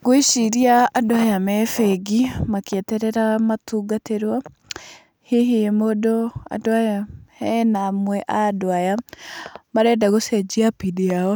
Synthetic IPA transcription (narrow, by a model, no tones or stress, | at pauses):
ɡoeʃiɾiaːdoajamɛfɛɡimakeɛtɛɾɛɾamatuːɡateɾwa | heɦemodɔa̰doajahɛnamwɛʔadoaja | maɾɛdaɣosɛd͡ʒiapidiaɔ